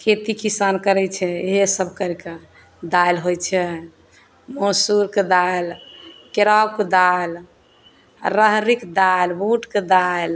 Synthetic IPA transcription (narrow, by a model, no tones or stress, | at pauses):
kʰet̪ikisankəɾɛt͡ʃʰɛeɦesəbʱkəɾike | d̪ajlɦojt͡ʃʰɛ | mosuɾked̪alkeɾab̚ked̪al | ɾəɦɾikd̪albuʈked̪al